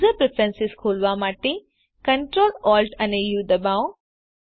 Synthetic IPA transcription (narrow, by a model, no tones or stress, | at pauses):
zəpɾepʰɾənsɪskʰoːlʋamaːʈe | kɐ̃ɳʈɾoːlɔːlʈɐnejuːd̪ɐbaw